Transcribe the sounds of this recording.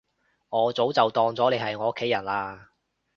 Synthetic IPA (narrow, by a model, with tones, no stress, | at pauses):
ŋɔː˨˧t͡so˨˥wt͡sɐ˨wt̪ɔː˧ŋt͡sɔː˨˥le˨˧jhɐ˨jŋɔː˨˧˥kʰːe˨˥jɐ˨˩nlaː˧